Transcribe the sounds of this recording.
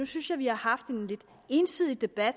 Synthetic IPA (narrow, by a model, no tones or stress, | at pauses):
usynsjɑ̈ɪʋihɑ̈hɑ̈fd̥e̝nle̝d̥ | e̝nsið̰ˠid̥e̝b̥æd̥